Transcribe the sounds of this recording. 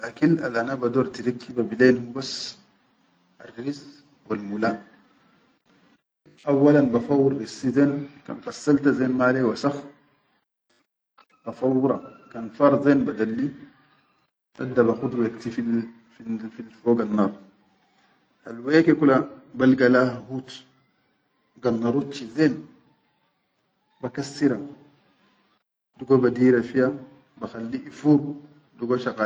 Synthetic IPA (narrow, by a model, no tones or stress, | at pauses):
lʔakina̰lʔanabad̪oːɾt̪iɾakːibabileːnhubas | a̰riz | walmulaːn | ʔawːalanbafawːuɾɾisːizeːnka̰ːnfasːalt̪azeːnmaːlewasɑx | bafawɾˤɑ̰kanfɑɾˤzeːnbad̪alːi | ʔa̰dabaxutwektifil | fifilfoɡanːaɾ | ha̰lwekekulabalɡalahhut | ɡanːaɾut̚t͡ʃizen | bakasːiɾa | duɡobadiɾafija | baxalːiʔifuɾ | duɡoʃaka